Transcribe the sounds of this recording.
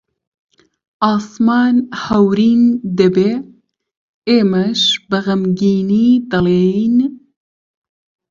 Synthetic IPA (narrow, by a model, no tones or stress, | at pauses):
ʔɑːsmɑːnhɐwɾiːnd̪ɨbeː | eːmɐʃbɨɣɐmɡiːniːd̪ɨleːjn